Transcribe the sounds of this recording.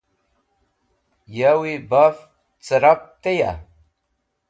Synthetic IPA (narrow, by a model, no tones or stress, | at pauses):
jawibaf | t͡səɾap̚t̪eja̰